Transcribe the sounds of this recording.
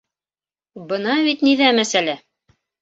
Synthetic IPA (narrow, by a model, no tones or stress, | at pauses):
bɤ̆nɑβit̪niðæmæsælæ